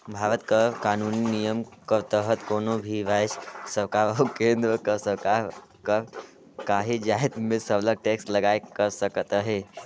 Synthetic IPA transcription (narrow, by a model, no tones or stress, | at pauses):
bʱaɾət̪kəkaːnuninijəmkəɾt̪əɦət̪koːnobʱiʋajssəkaɾəukẽnd̪ɾəkəɾsəkaɾ | kəɾ | kaːɦid͡ʒaɦit̪mesəbləɡ̚ʈeksʈləɡajkəɾsəkət̪əɦe